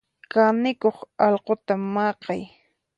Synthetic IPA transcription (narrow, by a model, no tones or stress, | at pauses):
kanɪkoχɑlqot̪amːɑːqɑj